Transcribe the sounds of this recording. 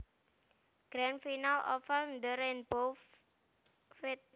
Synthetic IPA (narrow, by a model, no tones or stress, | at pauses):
ɡ̥ɾanfinalɔ̰fɛld̪əɾɛnbof | fet̪̚